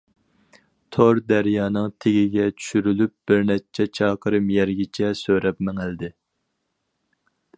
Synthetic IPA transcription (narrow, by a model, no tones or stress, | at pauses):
t̪ʰoɾd̪æɾjɑːnɨŋt̪ʰeɡʲiɡʲɛt͡ʃʰy̥ʃyɾylyp̚b̥ɪɾnɛt͡ʃʰɛt͡ʃʰɑːqʰəɾɨmjɛɾɡʲɪt͡ʃʰɛsøɾɛpmɛŋɪld̪ɪ